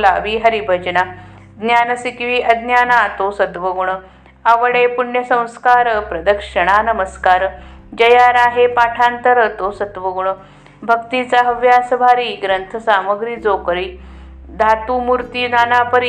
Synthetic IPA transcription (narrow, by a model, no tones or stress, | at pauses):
laʋiɦəɾibʱəd͡ʑna | d̪njaːnəsikʋiːʔɐd̪njaːnat̪osət̪ʋəɡuɳə | aʋəɽepuɳjəsə̃w̃skaːɾəpɾɐd̪əkʂəɽ̃anəməskaːɾd͡ʑɐjaɾaːɦepaʈʰãnt̪əɾət̪osət̪ʋəɡuɳə | bʱəkt̪it͡saɦəʋjasəbʱaɾiːɡɾənt̪ʰəsaməɡɾiːd͡zokɾiː | d̪ʱat̪uːmuɾt̪iːnaːnapəɾi